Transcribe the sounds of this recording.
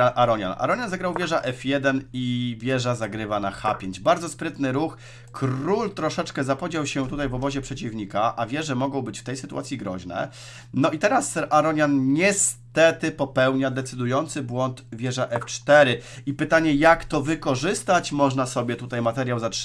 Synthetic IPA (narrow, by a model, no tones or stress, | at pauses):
ʔaɾɔɲa̰na̰ɾɔɲanzaɡɾawvʲjɛʐaʔɛfjɛd̪ɛnivʲjɛʐazaɡɾɘvanaxa̰pʲjeɲd͡ʑbaɾd̪zɔspɾɘt̪nɘɾux | kʰɾult̪ɾɔʂɛt͡ʂkɛzapɔd͡ʑawɕɛt̪ut̪ajvɔbɔʑɛpʂɛt͡ɕivɲikaʔavʲjɛʐɛmɔɡɔ̃w̃bɘt͡ɕft̪ɛjsɘt̪ṵwa̰t̪sʲjiɡɾɔ̰ʑnɛ̰ | nɔit̪ɛɾasaɾɔɲanɲɛst̪ɛt̪ɘpɔpɛwɲad̪ɛt̪sɘd̪ujɔnt̪sɘbwɔnt̪vʲjɛʐaʔɛft͡ʂt̪ɛɾɘipɘt̪aɲɛjakt̪ɔvɘkɔʐɘst̪at͡ɕmɔʐnasɔbʲjɛt̪ut̪ajmat̪ɛɾʲjawzat